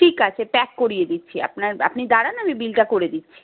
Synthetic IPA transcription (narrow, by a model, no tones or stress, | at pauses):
ʈʰikat͡ɕʰepɛkːoɾijed̪itːɕʰia̰pnaɾa̰pnid̪aɽanamibilʈakoɾed̪itːʰi̥